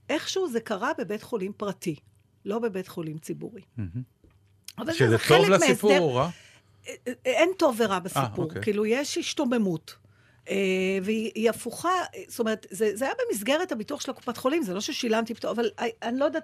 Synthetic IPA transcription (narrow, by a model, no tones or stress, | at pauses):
ʔe̞χʃuuːzekaʁabe̞betχo̞limpʁati | lo̞be̞be̞tχo̞limt͡sibṵʁi | avalezeovlameizea | ento̞vːeʁabasipuʁkiːlujeʃiʃto̞memut | eveiiafuχast̪ome̞ʁetzezeajabemis̬ɡe̞ʁethabituɐχʃelaku̥patχo̞limzelo̞ʃeʃilamtibtoavalaanilo̞jedat